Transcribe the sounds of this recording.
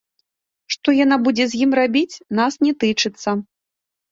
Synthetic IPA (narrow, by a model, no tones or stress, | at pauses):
ʂt̪ɔjanabud͡zʲɛzʲjimrabʲit͡sʲnasnʲɛt̪ɨt͡ʂɨt̪sːɐ